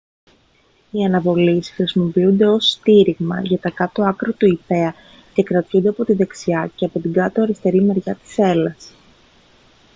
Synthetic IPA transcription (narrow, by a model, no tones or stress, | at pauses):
iɐnɐvo̞lisxɾisimo̞piund̪e̞o̞st̪iɾiɣmɐ̰ʝɐt̪ɐkɐt̪o̞ɐkɾot̪uipe̞ɐ | ce̞kɾɐt̪çund̪e̞ɐpo̞t̪iðe̞ksiɐceɐpo̞t̪iɡɐt̪oɐɾist̪e̞ɾimeɾʝɐt̪i̥se̞lɐs